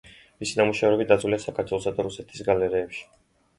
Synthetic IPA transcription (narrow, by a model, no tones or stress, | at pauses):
misinamuʃɛvɾɛbit̪̚d̪ad̪zwliasakʰaɾt̪ʰwɛlˠɔsad̪aɾusɛt̪ʰi̥sɡalɛɾiɛpʃi̥